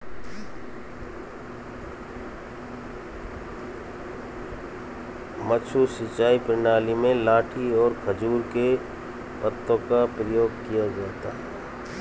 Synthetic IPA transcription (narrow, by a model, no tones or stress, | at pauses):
mət͡ʃʰusɪt͡ʃaːipɾɪnaːlimẽlaːʈʰiɔːɾkʰəd͡ʒuːɾke | pət̪ːõkapɾəjoːɡ̚kijad͡ʒaːt̪aːɦɛ